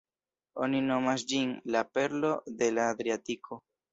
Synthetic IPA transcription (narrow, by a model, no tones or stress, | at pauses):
o̞̰nino̞masd͡ʒinlape̞ɾlo̞de̞laːd̪ɾiatikʰo̞